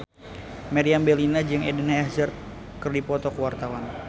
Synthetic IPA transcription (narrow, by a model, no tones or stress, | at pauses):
maɾiambɛlinad͡ʒɨŋedənaɛzərt̪̚ | kɨrdipɔt̪ɔkəwart̪awan